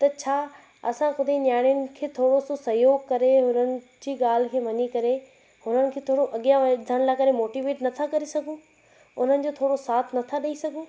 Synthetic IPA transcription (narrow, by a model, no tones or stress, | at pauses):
t̪ɐt͡ɕʰaː | ɐsãkʊd̪ʱenjaːɽ̃ijʊnɪ̆kʰeːt̪ʰoːɽososɐɦjoːɡkɐɾeɦʊnənɪ̆ | d͡ʑiːɠaːl̤kʰeːʋɐɲikɐɾe | ɦʊnənɪ̆kʰeːt̪ʰoːɽoʔɐɠijãʋɐd̪ʱəɽ̃laːkɐɾemoːʈiʋeːʈnɐt̪ʰakɐɾesɐɡʱũ | ʊn̤ənɪ̆d͡ʑoːt̪ʰoːɽosaːt̪ʰnɐt̪ʰaɗɐisɐɡʱũ